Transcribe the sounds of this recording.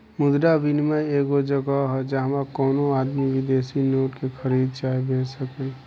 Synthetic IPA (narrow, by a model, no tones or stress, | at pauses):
mʊd̪ɾabinmaeːɡod͡ʒəɡaɦɛd͡ʒaɦmakɔːnoaːd̪miwɪd̪eːsinoːʈkekʰəɾiːd̪̚t͡ʃaːɦebʱeːsəkel